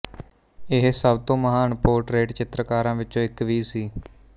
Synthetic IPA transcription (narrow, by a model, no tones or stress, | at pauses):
ɪɦsəbt̪õːməɦaːnpoːɾʈɾeːʈt͡ʃɪt̪ɾəkaːɾãːʋɪt͡ʃõːɪkʋiːsiː